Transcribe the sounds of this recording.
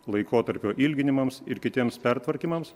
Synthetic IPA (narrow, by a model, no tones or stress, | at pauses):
lˠɐɪkoːt̪ɐɾʲpʲoːʔilʲɡʲɪnʲɪmɐmsɪɾkʲɪt̪ʲiɛmspʲɛɾt̪ʋɐɾʲkʲiːmɐms